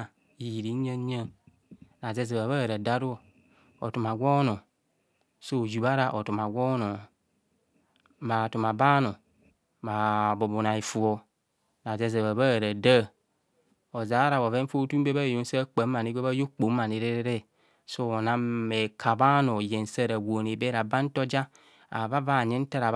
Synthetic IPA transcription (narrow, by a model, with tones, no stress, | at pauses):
i˨ji˨ɾi˨˦ɲa˦ɲa˦n | na˨ze˦ze˨βa˨βa˦˨ɾa˨da˦ɾu˦o˦˨ | o̰˨tu˨ma˨ɡʷo˦no˨ | so˦˨d͡ʒu˨ba˦ɾa˨ʔo˨tu˨ma˨ɡʷɔ˦no˨ | ma˨tu˨ma˨ba˦no˨ | ma˨bo˨bu˨na˨i˨fu˨o˨ | na˨ze˦ze˨βa˨βa˦˨ɾa˨da˦˨ | o˨za˨˦ɾa˨bo˨ve˦fo˦tu˦be˦ba˦˨jo˨n̩˦sa˦k͡pa˨˦ma˨ni˦ɡʷe˦βa˦jo˦k͡po˨˦ma˨ne˨ɾe˦ɾe˦ɾe˦˨ | so˦˨na˦e˨kʰa˨ba˦no˨je˨n˨sa˦ɾa˨wo˨ne˨be˦ɾa˨ba˦n̩˦to˦d͡ʒa˦ | a̰˨va˦va˦˨ɲe˦n̩˦ta˦ɾa˨